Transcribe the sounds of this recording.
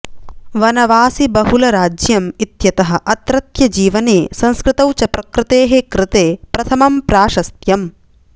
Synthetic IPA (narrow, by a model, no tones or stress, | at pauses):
ʋɐnɐʋaːsibɐɦulɐɾaːd͡ʒjɐmit̪jɐt̪ɐɦɐ̆ʔɐt̪ɾɐt̪jɐd͡ʒiːʋɐneːsɐ̃nskɾɪt̪ɐwt͡ʃɐpɾɐkɾɪt̪eːɦekɾɪt̪eːpɾɐt̪ʰɐmɐmpɾaːʃɐst̪jɐm